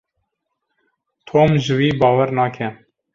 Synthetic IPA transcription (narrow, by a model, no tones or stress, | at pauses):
t̪ʰoːmʒɨwiːbɑːwɛɾnɑːkʰɛ